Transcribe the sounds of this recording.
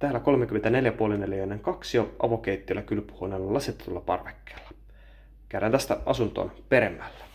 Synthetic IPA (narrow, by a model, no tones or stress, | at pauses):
t̪æːlæko̞lmek̟yment̪æne̞ljæpuo̞leneljjoenːeŋkɑksioʔɑ̰ʋo̞k̟ejt̪ːilːækylpu̥honelːɑlːɑset̪ːet̪uolːɑpɑ̰rʋekːe̥ːlːɑ̥ | kæɾænt̪æst̪æɑsunt̪o̰ːnpe̞ɾemːælːæ̥